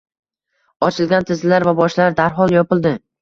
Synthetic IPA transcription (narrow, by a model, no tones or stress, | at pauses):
ɒt͡ʃʰɪlɡʲant̪ʰɪzlaɾvabɒʃlaɾd̪aɾɦɒlˠjɒpɪlˠd̪ɪ